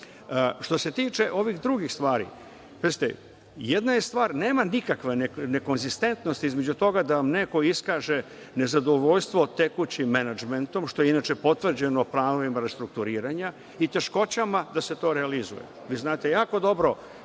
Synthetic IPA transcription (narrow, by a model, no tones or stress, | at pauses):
ʃt̪o̞se̞t̪iːt͡ʃe̞ʔo̞ʋixd̪ɾuɡixst̪ʋaːɾḭ | pezit̪ḛ | jed̪najest̪ʋaːɾneːmanikakʋeneneko̞nzist̪e̞nt̪no̞st̪iizme̞d͡ʑut̪o̞ɡad̪aʋamne̞ko̞iskaːʒe̞ | ne̞zad̪o̞ʋo̞ʎst̪ʋot̪ekut͡ɕimenad͡ʒment̪o̞mʃt̪o̞jeinat͡ʃe̞po̞t̪ʋr̩d͡ʑe̞noplˠaːno̞ʋimaɾest̪ɾuk̚t̪uɾiːɾaɲa | it̪e̞ʃko̞t͡ɕamad̪ase̞t̪o̞ːɾealizṵjḛ | ʋiːznaːt̪e̞jaːko̞d̪o̞bɾo̞